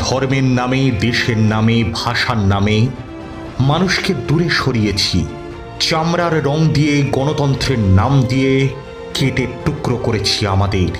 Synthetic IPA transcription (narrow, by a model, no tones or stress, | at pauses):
d̪̥ʱɔɾmeɾnamed̪eʃeɾnamebʱaʃaɾname | manuʃked̪uɾeʃoɾijet͡ɕʰḭ | t͡ɕamɾaɾɾɔŋd̪ijeɡɔnot̪ɔnt̪ɾeɾnamd̪ije | keʈeʈukɾokoɾet͡ɕʰiamad̪eɾ